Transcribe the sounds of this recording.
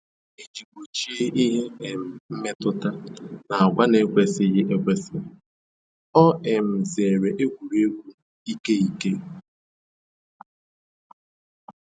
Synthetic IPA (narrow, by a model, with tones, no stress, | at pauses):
e˦d͡ʒi˨ɡʷo˨t͡ʃi˦e˦ʔi˦ɦe˦e˨m̩˨m̩˦me˦tʊ˦ta˦na˨a˨ɡʷa˦ne˨˦kʷe˨sɪ˦ɣɪ˦ʔe˦kʷe˨sɪ˦ | ɔ˦e˨m̩˨ze˨ɾe˨ʔe˦ɡʷu˨ɾe˦ɡʷu˦˨i˦ke˦i˦ke˦